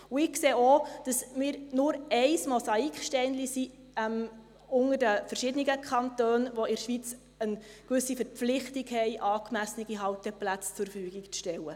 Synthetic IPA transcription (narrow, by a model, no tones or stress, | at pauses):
uɪkseːod̥ɑsmɪːɾnʊɾɛɪsmɔsɑikχʃtɛɪnlisi | ɛm | ʊŋərdəfəɾʃɪdəniɡəkʰɑntøːnʋoɪɾʃʋit͡s | ənkʋʏsifəɾpp͡flɪχtikhɛɪʔɑːkmæsniɡiɦɑwtɛplæt͡st͡sʊɾfyːɡikt͡sʃtɛwə